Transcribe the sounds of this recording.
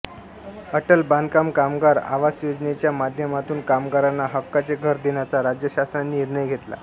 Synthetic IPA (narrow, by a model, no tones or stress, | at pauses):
əʈəlband̪kamkamɡaɾa̰ʋasjod͡znet͡ɕjamad̪ʱjəmat̪uːnkamɡaɾanːaɦəkːat͡seɡʱəɾd̪enjat͡saɾad͡ʑjəɕast̪ɾanːiniɾɳəjɡʱet̪la̰